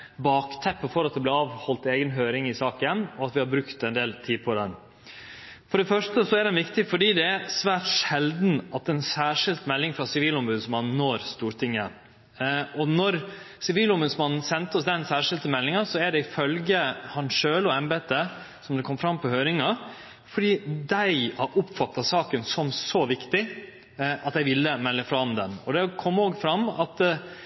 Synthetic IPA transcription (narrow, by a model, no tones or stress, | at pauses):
bɑːkt̪ʰɛpːəfɔɾɑt̪d̪ɛb̪lɪɑːʋhɔlt̪eːɡənɦøːɾɪŋɪsɑːkɪjɛmnɔɑt̪ʋɪhɑbɾʉkt̪ɛnd̪eːlt̪ʰiːd̪pʰɔd̪ɛn | fɔɖɛfœʂtəsɔæɖ̪ɛnʋɪkt̪ɪfɔɖiːd̪ɛæsʋæːʈʂɛld̪n̩ɑt̪̚ɛɛnsæːʂɪlt̪mɛlːɪŋfɾɑsɪʋiːlɔmbʉd̪smɑnn̩ːoːɾst̪uːɾʈ̪ʰɪŋːə | ɔnɔɾ | sɪʋiːlʊmbʉːd̪smɑnn̩sɛnt̪əɔsd̪ɛnsæːʂɪlt̪əmɛlːɪŋɑsɔæɖɛɪfœlɡəhɑnʂøːləɔɛmbeːt̪ə | sɔmd̪ɛkʰɔmːfɾɑmpʰɔhøːɾɪŋɑ | fɔɖiːd̪æɪɑʔʊpfɑt̪ːɑsɑːkənsɔmsɔʋɪkt̪ɪ | ʔɑt̪jæɪʋɪlːəmɛlːəfɾɑmd̪ɛnɔd̪ɛkʰɔmːoːɡfɾɑmːɑ̰t̪